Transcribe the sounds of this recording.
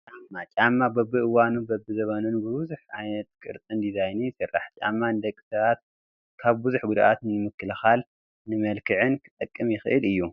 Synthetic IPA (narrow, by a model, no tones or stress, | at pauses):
t͡ʃʼamːat͡ʃʼamːabɐbːɨʔɨwanubɐbːɨzɐβɐnunbɨβzuħʔajnɐt̪kʼɨ̰ɾt̪ʼɨnd̪izajnijɪsɨrːa̰ħt͡ʃʼa̰mːanɨd̪ɐkʼːi̥sɐβat̪̚ | kʰaβbuzuħɡud̪aʔat̪nɨmɨkːɨlɐxal | nɨmɐlkʰɨʕɨnkʰɨ̥t̪ʼɐkʼːɨmjɪxɨʔɨlɨjːu